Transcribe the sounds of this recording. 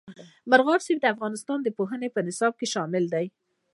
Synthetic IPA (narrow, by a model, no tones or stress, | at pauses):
maɾɣɑɾseb̚d̪əafɣɑnɪst̪ɑnd̪əpoɦənepənɪsɑb̚keʃɑmɪld̪aj